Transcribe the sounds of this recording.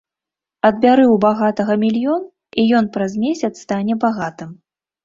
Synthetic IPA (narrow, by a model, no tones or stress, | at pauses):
ɐd̪̚bʲaɾɨwbaɣat̪ɐɣɐmʲilʲjɔn | ijɔn̪pɾɐzmʲesʲɐt̪st̪anʲɛbaɣat̪ɨm